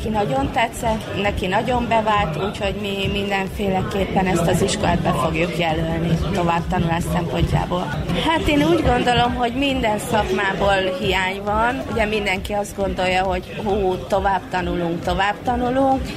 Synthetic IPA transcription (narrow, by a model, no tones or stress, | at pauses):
kinɒɟo̞nt̪ɛt̪sɛ | nɛkinɒɟo̞mbɛvaːlt̪uːcho̞ɟmimind̪ɛɱfeːlɛkeːpːɛnɛst̪ɒziʃkola̰ːd̪̚bɛfo̞ɡjukjɛlølnit̪o̞vaːb̚t̪ɒnulaːʃsɛmpo̞ɲca̰ːboːlhat̪eːnuːɟɡo̞nd̪o̞lo̞mɦo̞ɟmind̪ɛnsɒkmaːboːlɦijaːɲvɒnuɟɛmind̪ɛŋkiɒzd̪ɡo̞nd̪o̞jːɒɦo̞ɟɦuːt̪o̞vaːbt̪ɒnuluŋkt̪o̞vaːbt̪ɒnuluŋk